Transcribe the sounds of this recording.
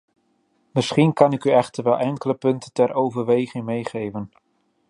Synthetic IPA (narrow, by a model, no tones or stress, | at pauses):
mɪsχinkɑnɪkyɛχtəɹʋɛlˠʔɛŋkələpɵntəntɛɾʔowvəɹʋejχɪŋmejχejvən